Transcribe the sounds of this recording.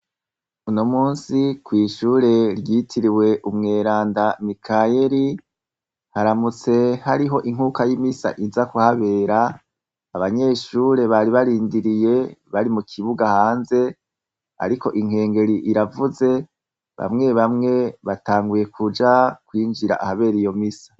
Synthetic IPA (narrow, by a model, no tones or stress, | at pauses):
unomuːnsikwiːʃuːɾe̞ɾjiːtʰiɾiwe̞ʔumŋe̞ːɾaːndamikʰaje̞ɾi | haɾamut͡se̞haɾiɦo̞ʔiŋ̥hukajimisa̰ʔizakuhaβe̞ːɾaː | βaɲe̞ːʃuːɾe̞βaɾiβaɾiːndiɾije̞βaɾimukʰiβuɡahaːnze̞ | a̰ɾiko̞̰ʔiŋ̥he̞ːŋɡe̞ɾiʔiɾavuze̞ | βa̰mŋe̞βamŋe̞βataːŋɡuje̞kʰud͡ʒakwiːnd͡ʒiɾa̰ʔahaβe̞ːɾijo̞misḁ